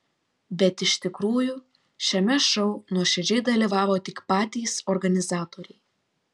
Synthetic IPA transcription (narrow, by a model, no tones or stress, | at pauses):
bʲɛt̪ɪʃʲt̪ʲɪkɾuːjʊ | ʃʲɛmʲɛʃɔʊnuɔʃʲɛd͡ʒʲɛɪd̪ɐlʲiːʋɑːʋoːt̪ʲɪkpɑːt̪ʲiːsɔɾɡɐnʲɪzɑːt̪oːɾʲɛɪ